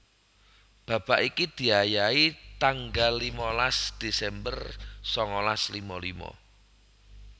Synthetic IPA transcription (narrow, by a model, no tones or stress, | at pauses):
b̥ä̤b̥aʔikid̪̥i̤ajait̪aŋɡalːimɔlasd̪̥e̤sɛmbərsɔŋɔlaslimɔlḭmɔ̰